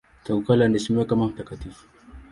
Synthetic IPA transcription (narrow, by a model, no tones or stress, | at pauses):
t̪aɡukalandisimekamampekat̪i